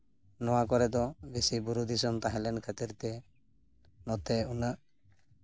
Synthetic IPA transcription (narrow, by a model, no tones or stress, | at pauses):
nɔwakɔɾɛd̪ɔbisibuɾud̪isɔmt̪aɦɛ̃lɛnkʰɛt̪iɾt̪ɛ | nɔt̪ɛunaʔ